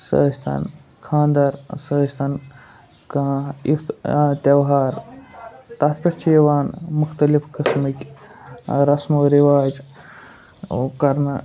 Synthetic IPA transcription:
sɐ̰ːst̪ʰa̰nkʰãːnd̪ɐɾsəɦst̪ʰan | kɐit̪t̪ɐwɦaːɾ | t̪ɐt̪pɐɾt͡ʃʰeːʋaːnmuxʰt̪ɐlifkɐsmik | ɾɐsmɐɾiʋaːd͡ʒ | kɐɾnɐ

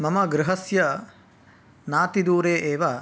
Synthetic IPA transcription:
mɐmɐɡɾɪɦɐsjɐ | naːt̪id̪uːɾeːʔeːʋa

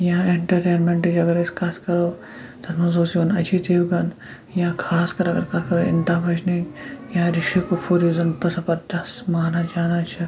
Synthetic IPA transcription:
jɐ̃eɳʈɐɾʈeːnmeɳʈed͡ʒɐɡɐɾeskʰaːskɐɾoː | t̪ɐnmɐzoːsionɐd͡ʒʰit̪eːʋɡɐn | jãkʰaːskɐɾɐɡɐɾkʰaːskɐɾoɪ̰nt̪aːbʱɐd͡ʒninjãːɾɪʃikopʰoːɾizɐnt̪ɐsɐpɐɾd̪ɐsmaːnad͡ʒaːnat͡ʃʰɐ

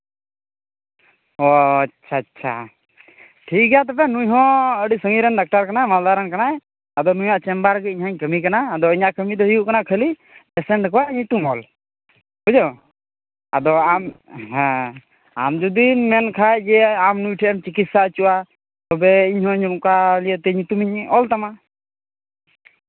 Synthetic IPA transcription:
ɔat͡ʃʰʃʰaːtːʃʰa̰ | ʈʰik̚ɡɛjat̪ɔpɛnujɦɔ̃əɖisəŋiɾɛnɖak̚ʈaɾkanaɛmald̪aɾankanaɛ | ad̪ɔnujaʔt͡ʃɛmbaɾɡəiɲɦaɲkəmikanaːd̪ɔiɲaʔkəmid̪ɔɦijuʔkanaʔkʰəli | bɛsɛɳʈkɔwaəɲit̪umɔl | bud͡ʒɔ | ad̪ɔamɦɛ̃ | a̰md͡ʒud̪imɛnkʰajd͡ʒɛamnujʈʰiɛmt͡ʃikit̪saət͡ʃuʔa | t̪ɔbɛiɲɦɔ̃ɲumkalijət̪ɛɲit̪umiɲɔlt̪ama

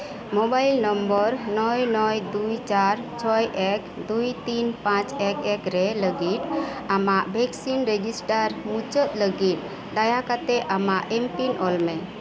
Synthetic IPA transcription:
mobajlnɔmbəɾnɔjnɔjd̪ujt͡ʃaɾt͡ʃʰɔjʔɛkd̪ujt̪inpãt͡ʃɛkɛkɾɛləɡit̪amaʔbʱɛksinɾed͡ʒisʈaɾmũt͡ʃət̪̚ləɡit̪̚ | d̪ajakat̪ɛʔamaʔɛmpinʔɔlmɛ

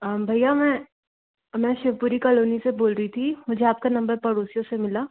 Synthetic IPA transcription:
bʱɐjamɛ̃ː | mɛ̃ːʃeʋpuːɾikaːloːniseboːlɾəit̪ʰimʊd͡ʒʱeaːp̚kanɐ̃mbəɾpɐɽoːsijõsemɪlaː

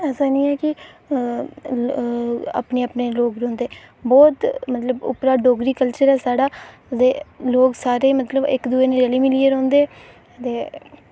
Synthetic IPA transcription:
ɛːsaːnĩːɛːkɪ | a̰pneːəpneːloːɡɾõːnd̪eː | bɔːt̪mət̪ləbʊ̰pɾaːɖoːɡɾiːkəlt͡ʃəɾɛːsaːɖaː | d̪eːloːksaːɾeːmət̪ləbɪ̰kd̪uːeːnẽːɾɛliːmɪliːəɾõːnd̪eː | t̪eː

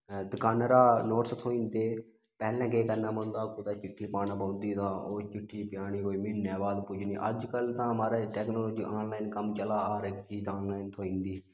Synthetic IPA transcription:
d̪əkaːnɾaːnoːʈst̪ʰoːĩːnd̪eː | pɛːlɛ̃ːɡeːkəɾnaːmõːnd̪aːkʊd̪aːt͡ʃɪʈʰːiːpaːnãːpə̃ːnd̪iːt̪ãːʔoːt͡ʃɪʈʰːiːpɪjaːɽ̃iːkoːiːmɪnːjaːbaːd̪pʊd͡ʒniːʔə̰d͡ʒkəlt̪ãːmaːɾeːʈɛːknoːloːd͡ʒiːʔaːnlaːinkəmt͡ʃəlaːaːɾeːt͡ʃiːt̪aːnlaːɪint̪ʰoːĩːnd̪iː

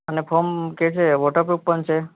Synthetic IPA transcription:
ənefʰomket͡ʃʰeʋoʈəɾpɾupːəɳt͡ʃʰe

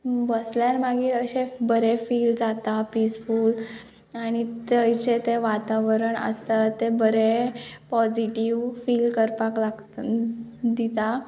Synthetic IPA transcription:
bəsljaɾmaɡiːɾəɕebəɾefiːld͡zat̪apisfuːl | añit̪əjt͡ɕet̪eʋat̪aʋəɾəɳə̰st̪at̪ebəɾepɔd͡ʑiʈiʋfiːlkəɾpaklaɡ | d̪it̪a

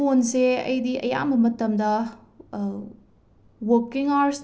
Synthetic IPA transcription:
onseɐ̰jdiɐ̰ja̰mɐmɐtɐmdɐ | wokiŋaɾs

